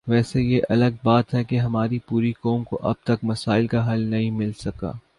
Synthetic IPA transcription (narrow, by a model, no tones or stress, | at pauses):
ʋɛːsejeʔɐləɡ̚baːt̪ɦɛkeɦɐmaːɾipuːɾikɔːmkoʔɐ̰b̚t̪ɐkmɐsaːɪlkaɦɐlnɐɦĩmɪlsɐka̰ː